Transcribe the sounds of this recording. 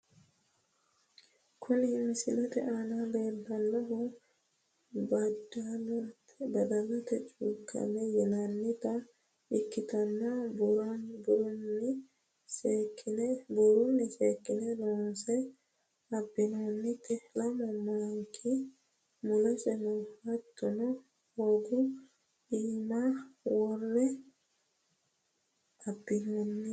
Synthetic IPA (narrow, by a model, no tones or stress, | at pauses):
kʰʊnɪhɪnsɪlɐt̪ɛ̰ʔanadeːbːɐnːɐɦɔ | d | bɐd̪ɐlːɔt̪ɛt͡ʃʼuːkʰːɐ̰mɛjɛnɐnːit̪ɐ | ʔɪkːɪt̪ɐnːɐ | buɾuni | skːnbuɾunisekːinɛlɔnsɛ | abinɔnːitɛlamɔmaŋkʰi | mulasɛnɔhatːɔnɔ | hoɡu | imawɔɾːɛ | abːinɔnːi